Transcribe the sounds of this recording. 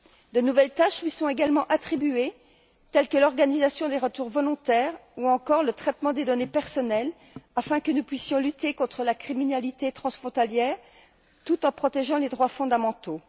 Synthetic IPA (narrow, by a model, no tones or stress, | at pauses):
d̪ənuvɛlt̪aʃlɥisɔ̃eɡalmɑ̃ʔat̪χibye | t̪ɛlkəlɔʁɡanizasjɔ̃d̪eʁət̪uʁvɔlɔ̃t̪ɛʁuɑ̃kɔʁlət̪χɛt̪mɑ̃d̪ed̪ɔnepɛʁsɔnɛl | afɛ̃kənupɥisjɔ̃lyt̪ekɔ̃t̪χəlakχiminalit̪et̪χɑ̃sfχɔ̃t̪aljɛːʁ | t̪ut̪ɑ̃pχɔt̪eʒɑ̃led̪ʁwafɔ̃d̪amɑ̃t̪o